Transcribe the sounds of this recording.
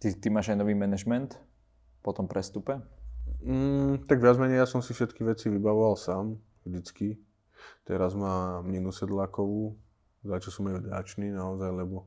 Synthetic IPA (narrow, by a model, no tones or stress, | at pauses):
t̪it̪imaːʒajnɔʋiːmɛnɛʒmɛnt̪ | pɔt̪ɔmpɾɛst̪upɛ | m̩t̪aɡʋɪad͡zmɛɲɛjasɔmsifʃɛt̪kiʋɛt͡siʋibaʋɔʋalsaːm | vʒd̪it͡ski | t̪ɛɾazmaːmɲinusɛd̪lakɔʋuː | zat͡ʃɔsɔmajvɟat͡ʃniːnaɔzajlɛbɔ